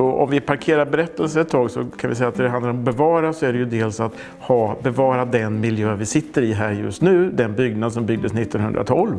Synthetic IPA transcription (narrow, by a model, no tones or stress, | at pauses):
ɔɔ̰mvɪpʰaɾkʰeːɾaɾbɛɾɛt̪ːəlsəɾɛt̪ʰːɑːɡsɔkʰanvɪ̰sɛjat̪næɖɛɦand̪aɾɔmɔbɛvɑːɾasɔæɖɛjɵd̪eːlsat̪ | hɑːbɛvɑːɾad̪ɛnmɪljøːvɪsɪt̪ːəɾɪɦæːɾjɵ̰st̪nʉ̟ːd̪ɛnbʏɡnad̪sɔmbʏɡ̚d̪əsnɪt̪ːɔnɦɵnd̪ɾa̰t̪ʰɔlv